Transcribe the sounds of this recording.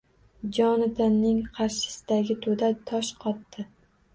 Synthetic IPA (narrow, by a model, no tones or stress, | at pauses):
d͡ʒɒnɪd̪ɪnːɪŋqʰɑɾʃɪ̥sɪd̪aɡʲɪt̪ʰod̪at̪ʰɒʃqʰɒt̪ːɪ